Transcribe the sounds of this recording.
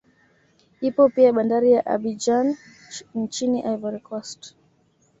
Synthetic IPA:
ipɔpiaɓandaɾijaʔa̰ɓid͡ʒan | ɲt͡ʃiniʔavaɾikʰɔst

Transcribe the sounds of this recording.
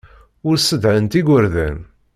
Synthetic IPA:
ʊɾsəd̪ʕənt̪iɡʷəɾðæ̰n

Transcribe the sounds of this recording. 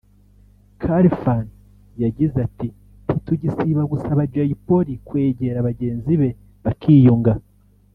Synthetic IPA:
kʰaɾifan | jaɟizati | tituɟisiβaɡusaβad͡ʒajipo̞ɾikwe̞ːɟe̞ɾaβaɟe̞ːnziβe̞ | βakʰiːjuŋɡa

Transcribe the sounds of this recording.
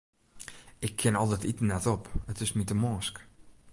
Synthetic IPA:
ɪkʰːɪnɔlˠtɛtitənɛtɔpətɪsmitəmɔːsk

